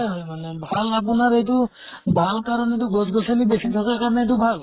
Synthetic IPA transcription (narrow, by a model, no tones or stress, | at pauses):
manɛbʱalap̬unaɾejtʊ | bʱalkaɾɔnetuɡɔzɡɔsalibesit̪ʰakakaɹɔnɛt̬ubʱal